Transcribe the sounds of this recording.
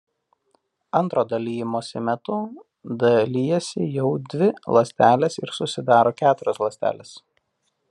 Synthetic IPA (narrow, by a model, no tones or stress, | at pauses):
ɐnt̪ɾoːd̪ɐlʲiːjɪmoːsʲɪmʲɛt̪ʊ | d̪ɐlʲiːjɛsʲɪjɛʊd̪ʲʋʲɪlˠɐsʲt̪ʲæːlʲeːsɪɾsʊsʲɪd̪ɑːɾoːkʲæːt̪ʊɾʲɛslˠɐsʲt̪ʲæ̰ːlʲeːs